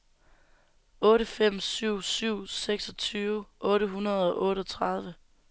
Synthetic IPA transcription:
ɔ̽ːɾəfem̰syʊ̰syʊ̰seɡ̥sɒ̽t͡sʰyːʊʔɔ̽ːɾəɦunɐð̞̩ˠɒ̽ʔɔ̽ːɾəɒ̽t͡sʰʁɑð̞ˠʋə

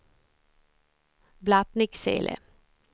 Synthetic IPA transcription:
blat̪nɪksḛːlʔɛ̰

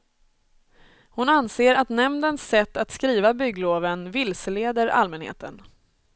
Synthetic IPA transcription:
hʊnanseːɾat̪nɛmnd̪ənsːɛt̪ːat̪skɾiːvabʏɡloːvənvɪlsəleːd̪əɾa̰lmɛnhḛːt̪ən

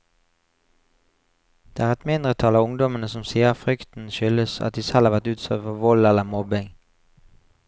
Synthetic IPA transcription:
d̪̥eːæːʁɛt̪mɪnd̪ʁət̪ʰɑːlɑːʊŋd̪ɔmənəsɔmsiːəʁfʁʏkt̪n̩ʃʏləsɑ̰t̪̚d̪iːsɛlhɑːʋæt̪ʉːt̪sɛfɔʋɔlɛləmɔbɪŋ

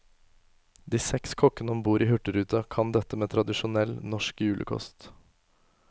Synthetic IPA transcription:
d̪iːsɛkskʰɔkənəmbuːɾiːhʉʈəɾʉːt̪ɑkʰɑnd̪ɛt̪ːəmeːt̪ʰɾɑd̪ɪʃʊnɛlnɔʃkjʉːlə̰kʰɔ̰st̪

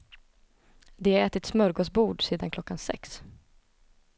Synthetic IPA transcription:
d̪ɛæɛːt̪ɪt̪smœɾɡoːsbuːɖsiːd̪ankʰlɔkːansɛ̰ks

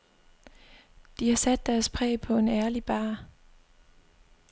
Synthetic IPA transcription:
d̥ihɑ̈sæd̥̚ːæɐspʰʁɛ̰ːpʰɒ̽e̝næɐlib̥ɑ̈ː

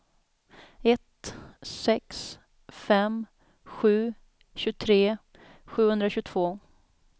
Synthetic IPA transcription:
ɛt̪ː | ɛks | fɛm | ɧʉ̟ː | ɕɵt̪ʰɾeː | ɧʉ̟ːhɵnd̪ɾaɕɵt̪ʰvoː

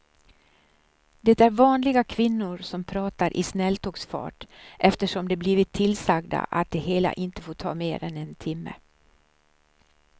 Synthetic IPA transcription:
d̪ɛt̪æɾvɑːnlɪɡakʰvɪnːʊɾsɔmpʰɾɑːt̪aɾʔɪ̰snɛlt̪ʰɔːɡsfɑ̰ːʈʔɛft̪əʂɔmd̪ɛbliːvɪt̪ʰːɪlsaɡd̪a̰ʔa̰t̪̚d̪ɛɦeːla̰ʔɪnt̪ə̥foːʈʰɑ̰ːmeːɾɛnɛnt̪ʰɪmːə̰

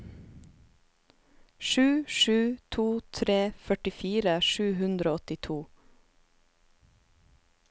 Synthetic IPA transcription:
ʃʉːʃʉːt̪ʰuːt̪ʰɾeːfœʈɪfiːɾəʃʉːɦʉnd̪ɾoːɔt̪ɪt̪ʰuː

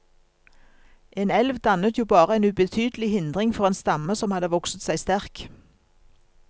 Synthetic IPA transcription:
ʔeːnɛlʋd̪ɑnət̪ʰjuːbɑːʁəeːnʉbət̪ʰyːd̪l̩ɪhɪnd̪ʁɪŋfɔʁeːnst̪ɑməsɔmhɑd̪əʋɔksət̪sæɪst̪æʁk

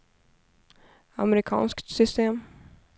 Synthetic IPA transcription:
a̰mɾɪkʰɑ̰ːnskt̪sʏst̪eːm

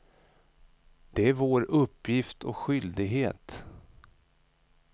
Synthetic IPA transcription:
d̪̥ɛæɾvoːɾɵpːjɪft̪ʰɔ̰kɧʏld̪ɪɡɦeːt̪

